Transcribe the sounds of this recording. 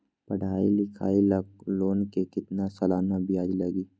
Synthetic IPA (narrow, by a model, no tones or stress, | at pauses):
pɐɽ̤ʱaːilɪkʰa̰ːilɐɡ̚loːnkekɪt̪nasɐlaːnabʱijaːd͡ʒilɐɡiː